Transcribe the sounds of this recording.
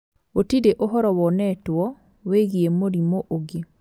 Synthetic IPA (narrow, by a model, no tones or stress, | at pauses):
otideʔoɦɔɾɔwɔnɛtwɔ | weɣiemoɾimoʔoɡe